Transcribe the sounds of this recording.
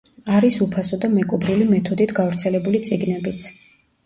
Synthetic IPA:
aɾisupʰasɔd̪amɛkʼɔbɾilimɛt̪ʰɔd̪it̪ʰɡavɾt̪sʰɛlɛbulit̪sʼiɡnɛbit̪sʰ

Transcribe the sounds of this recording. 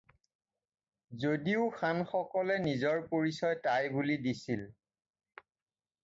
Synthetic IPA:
zodiʊxʰanxɔkɔlɛnizɔɹpoɹisɔjtajbulidisil

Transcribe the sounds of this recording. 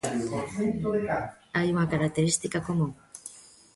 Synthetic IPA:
ajuŋakaɾak̚t̪eɾist̪ikakomũŋ

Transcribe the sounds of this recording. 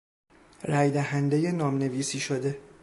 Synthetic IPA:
ræjd̪æɦænd̪eje̞nɒːmne̞viːsiːʃod̪e̞

